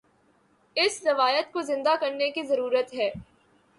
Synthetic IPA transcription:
ɪsɾɐʋaːjət̪̚kozɪ̃nd̪akɐɾnekizɐɾuːɾət̪ɦɛː

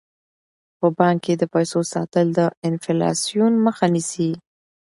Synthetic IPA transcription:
pəbɑŋkːed̪əpajsosɑ̰t̪əld̪əɪnflɑ̰sijunməxanisi

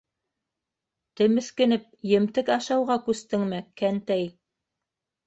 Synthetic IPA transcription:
t̪ɘ̆mɘ̆θkɘ̆nɘp̚jɘ̆mt̪ɘkɑʃɑwʁɑkʉst̪ɘŋmɘkænt̪æj

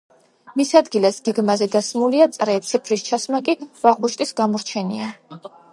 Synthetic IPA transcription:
misad̪ɡilasɡ̥ɛɡmazɛd̪asmuliat̪sʼɾɛt̪sʰipʰɾist͡ʃʰasmakʼiv̥aʁuʃt̪ʼisɡamɔɾt͡ʃʰɛnia

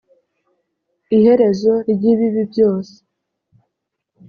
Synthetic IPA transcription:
ihe̞ɾe̞zo̞ɾɟiβiβibjo̞ːse̥

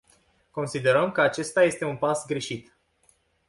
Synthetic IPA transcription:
ko̞nsid̪e̞ɾəmkəat͡ʃe̞st̪aje̞st̪e̞unpasɡɾe̞ʃit̪

